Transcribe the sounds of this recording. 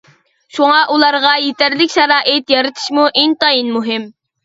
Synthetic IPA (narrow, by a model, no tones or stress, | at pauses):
ʃuŋɑʔulˠɑɾʁɑjet̪æɾlɪkʲʃɛɾɑːʔɪt̪jɑɾɨt̪ʰɨ̥ʃmuʔint̪ɑjinmuɦɪm